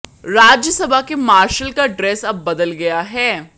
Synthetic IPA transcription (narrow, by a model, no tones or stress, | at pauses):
ɾaːd͡ʒjəsɐbʱakemaːɾʃəlkaɖɾɛːsɐbːɐd̪əlɡɐjaɦɛː